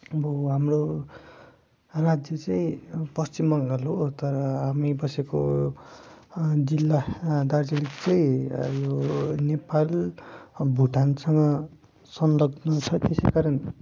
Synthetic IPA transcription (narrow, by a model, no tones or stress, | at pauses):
bʌɦamro | rad͡zjʌt͡sʌĩpʌst͡simʌŋɡʌlɦot̪ʌɾʌɦamibʌseko̰ | d͡zilːad̪ard͡zilikt͡sʌĩjonepal | bʱuʈansʌŋɡʌ | sʌnlʌɡnʌt͡sʰʌt̪esejkaɾʌn